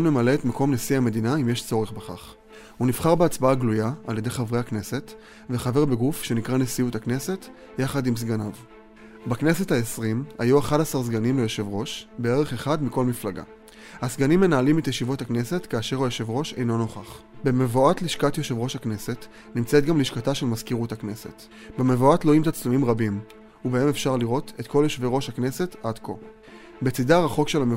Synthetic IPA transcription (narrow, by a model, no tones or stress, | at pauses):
lmemaleːtmako̞mnesiame̞dinaimje̞ʃt͡so̞ʁeχbeχa̰χ | hunivχaʁbeat͡sbaaɡlujaa̰lje̞dejχavʁejhakne̞se̞t | veχave̞ʁbeɡufʃe̞nikʁanesiutakne̞se̞t | jaχadims̬ɡanav | baknesetaesʁima̰juaχadasaʁs̬ɡanimlejoʃe̞vʁo̞ʃbe̞eʁe̞χe̞χadmiko̞lmiflaɡa̰ | hasɡanimːe̞naːlimetjeʃivo̞thakne̞se̞tkaːʃe̞ʁojeʃevʁo̞ʃe̞̰jno̞no̞χaχbe̞me̞voatliʃkatjeʃevʁo̞ʃhakne̞se̞t | nimt͡setɡamliʃkataʃelmazkiʁuthakne̞se̞̰t | bemevoatloimt̪at͡slumimʁabim | ubae̞me̞fʃaʁliʁo̞te̞tkʰo̞ljeʃveʁo̞ʃhakne̞se̞tadko̞̰ | bet͡sidaʁaχo̞kʃe̞lame